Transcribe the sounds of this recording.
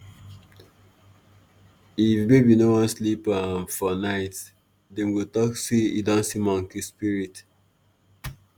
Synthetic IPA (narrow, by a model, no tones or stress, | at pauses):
ifbebinowɔ̃nslipafɔnaɪt | dɛ̃mɡotɔksiidɔ̃nsimɔ̃ŋkispiɹit